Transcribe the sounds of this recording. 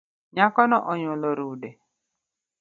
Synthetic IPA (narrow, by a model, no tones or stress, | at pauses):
ɲakɔnɔʔɔɲolɔɾude